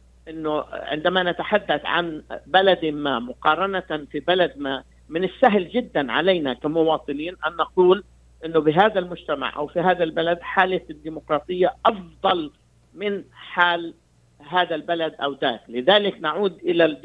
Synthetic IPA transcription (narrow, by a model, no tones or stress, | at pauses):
ʔɪnːʊʕɪ̰nd̪amanat̪aħad̪ːaθʕa̰nbalad̪ɪmaːmʊqɑːɾˤɑnafibalad̪na | mɪnɪsːaɦld͡ʒɪd̪ːanʕa̰laːnakamʊwɑːt̪ˤɨniːnʔanːɑquːl | ʔɪnːʊbɪɦaːðalmʊd͡ʒt̪ama̰ʕʔa̰wfiɦaːðalbalad̪ħaːlɪθɪd̪ːiːmʊqɾˤɑːt̪ˤɨjːaʔɑfd̪ˤɑl | mɪnħaːl | ɦaːðalbalad̪ʔawd̪aːklɪðaːlɪknaʕuːd̪ʔɪla